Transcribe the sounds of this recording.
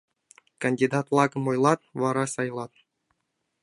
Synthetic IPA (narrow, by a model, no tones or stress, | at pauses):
kɐnʲdʲid̪ɑt̪lˠɑɡɤ̆mŏjlˠɑt̪ʋɑɾɑsɑjlˠɑt̪̚